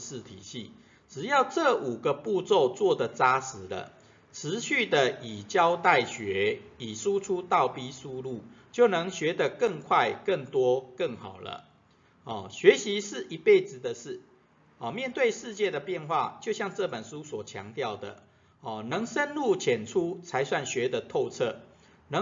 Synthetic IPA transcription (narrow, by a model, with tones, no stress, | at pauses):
ʂ̩˥˩t̪ʰḭ˨˩ɕḭ˥˩ | ʈ͡ʂɻ̩˨˩jɑ˥˧ʊt͡sɤ˥˨ʔu˨˩ɡə˦pu˥˧t͡so˥˧ʊt͡swɔ˥˩d̪ə˩t͡sa˦sɻ̩˧˦lə̰˧ | ʈ͡ʂʰɻ̩˧˦ɕy˥˨d̪ə˨i˨˩t͡ɕjɑ˦ʊt̪a˥˩ɪɕɥɛ˧˥i˨˩su˦˥ʈ͡ʂʰu˦t̪ɑ˥˨ʊpi˦su˥lu˥˩t͡ɕjo˥˩ʊnɤ˧˦ŋɕɥɛ˧˥d̪ə˨kə˥˧ŋkʰwa˥˨ɪkə˥˩ŋt̪wɔ˥kə˥˩ŋxɑ˨˩ʊlə̰˦ | ɔ˨˩ɕɥɛ˧˥ɕi˧˦ʂɻ̩˥˩ʔi˨˧˥pe˥˩ɪd͡zɹ̩˨˩d̪ə˩ʂɻ̩˥˩ | ɔ˨˩mjɛ˥˨nt̪we˥˧ɪʂɻ̩˥˧t͡ɕjɛ˥˩d̪ə˨pjɛ˥˧nxwa̰˥˨t͡ɕjo˥˧ʊɕjɑ˥˧ŋt͡sə˥˩pə˨˩nʂu˦˥swɔ˨˩t͡ɕʰjɑ̰˧˦ŋt̪jɑ˥˩ʊd̪ə̰˩ | ɔ˨˩nɤ˧˥ŋʂə˦nlu˥˨t͡ɕʰjɛ˨˩nʈ͡ʂʰu˦t͡sʰa˧˦ɪswa˥˩nɕɥɛ˧˥d̪ə˨t̪ʰo˥˧ʊt͡sʰə˥˩ | nə˧˦